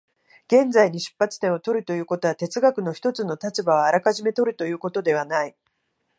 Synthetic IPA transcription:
ɡ̥ẽ̞nd͡zaiɲ̟iɕɨ̥pːat͡sɨ̥t̪ẽ̞ɰ̃ot̪o̞ɾɯ̟t̪o̞jɯ̟ːko̞t̪o̞at̪e̞t͡sɨɡakɯ̟no̞çi̥t̪o̞t͡sɨno̞t̪at͡ɕibaβ̞aːɾakaʑime̞t̪o̞ɾɯ̟t̪o̞jɯ̟ːko̞t̪o̞d̪e̞β̞anai

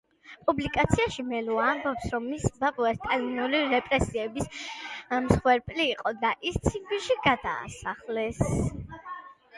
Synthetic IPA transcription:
pʼublikʼat̪sʰiaʃimɛluaːmbɔpsɾɔmːisbapʼuɛst̪ʼaniniuliɾɛpʼɾɛsiɛbis | msχwɛɾpʼliːqʼɔd̪aʔist̪sʰiɡɡvilˠʃiɡad̪a̰ːsaχlɛs

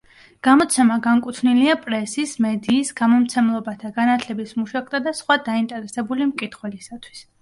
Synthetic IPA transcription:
ɡ̥amɔt̪sʰɛmaɡaŋkʼut̪ʰniliapʼɾɛsismɛd̪iːsɡamɔmt̪sʰɛmlˠɔbat̪ʰaɡanat̪ʰlɛbismuʃwak̚ʰʼt̪ʰad̪asχwad̪aint̪ʼɛɾɛsɛbulimkʼit̪ʰχwɛlisat̪ʰwi̥s

